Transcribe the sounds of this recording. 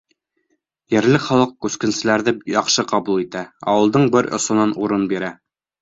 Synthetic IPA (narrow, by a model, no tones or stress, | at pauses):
jɘ̆ɾlɘχɒlˠɤq̚kʉskɘ̆nsɘ̆læɾðɘjɒχʃɤqɒbulˠit̪æɒ̰wɤ̆lˠd̪ɤɴbɘɾŏ̰sŏnɑnuɾɤnbiɾæ